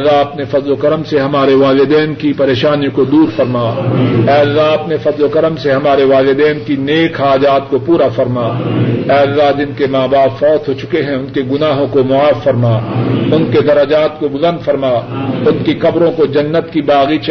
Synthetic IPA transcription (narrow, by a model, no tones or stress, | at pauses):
lːaɦɐpnefɐzlokɐɾəmseɦɐmaːɾeʋaːlɪd̪ɛːnkipɐɾeːʃaːnikod̪uːɾfɐɾmaːɛːɐlːaɦɐpnefɐzlokɐɾəmseɦɐmaːɾeʋaːlɪd̪ɛːnkineːkaːd͡ʒaːt̪̚kopuːɾafɐɾmaːɛːɐlːaɦd͡ʒɪnkemaːbaːpfɔːt̪ɦot͡ʃʊ̥keɦɛ̃ʊnkeɡʊnaːɦõkomʊaːfːɐɾmaːʊnked̪ɐɾɐd͡ʒaːt̪kobʊlə̃nd̪fɐɾmaːʊnkikɐbɾõkod͡ʒɐnːət̪kibaːɣit͡ʃ